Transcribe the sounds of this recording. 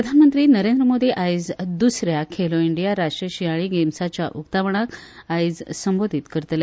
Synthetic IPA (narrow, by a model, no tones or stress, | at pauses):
ɾəd̪ʱanmənt̪ɾiːnəɾend̪ɾəmod̪ʱiʔajd͡zd̪usɾjakʰeloiɳɖijaɾaʈɾəɕiaɭiɡemsat͡ɕja̰ʔukt̪aʋəɳ̃ak | ajd͡zsəmbod̪ʱit̪kəɾt̪le